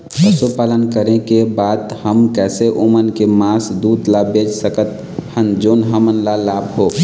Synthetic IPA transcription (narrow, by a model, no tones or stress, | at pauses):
pəsupaːlənkəɾẽkebaːd̪həmkɛːseʔomənkemasd̪uːd̪labed͡ʒsəkət̪ | hənd͡ʒoːnɦəmənlalaːbɦoː